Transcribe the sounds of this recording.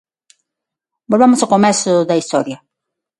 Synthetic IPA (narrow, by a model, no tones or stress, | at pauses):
bolβemosaokomesoðaist̪oɾja